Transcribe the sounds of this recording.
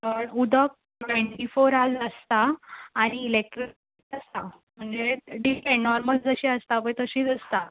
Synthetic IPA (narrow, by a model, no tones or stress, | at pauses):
əɳud̪ʱək̚ | neɳʈifoɾaləst̪aːɽ̃iːlek̚ʈɾi | ʈəst̪a | m̤əɳd͡zeɖikɛnɔɾməld͡zəɕiəst̪aʋəjt̪əɕiːt͡səst̪a